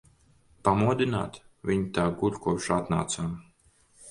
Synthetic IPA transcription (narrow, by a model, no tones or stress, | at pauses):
pamuɔd̪ina̰ːt̪ | vʲiɲit̪aːɡulʲkuɔpʃat̪na̰ːt̪saːm